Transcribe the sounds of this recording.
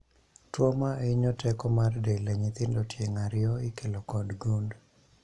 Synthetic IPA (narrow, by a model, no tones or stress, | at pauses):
twomaɪɲɔtɛkɔmardeleɲit̪ɪndotjeŋaɾɪɔɪkelɔkɔdɡund